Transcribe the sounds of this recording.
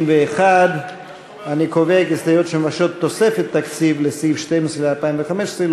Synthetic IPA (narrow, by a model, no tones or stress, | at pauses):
mveːχad̪ | anikovekesd̪ajot̪ʃemaʃo̞t̪ːo̞sefet̪ːakt͡sivlesivʃtemesʁelealpaimveχameʃesʁel